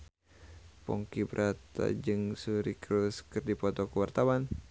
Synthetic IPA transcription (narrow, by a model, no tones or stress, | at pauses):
pɔ̰ŋkibɾʔat̪a̰d͡ʒɨŋsuɾikɾuskɨrdipɔt̪ɔkəwart̪awan